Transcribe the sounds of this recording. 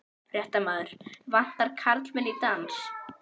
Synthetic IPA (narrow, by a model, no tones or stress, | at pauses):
r̥jɛht̪amaːðʏɾ̥van̥t̪aɾkʰaɾt̪lvɛlit̪ans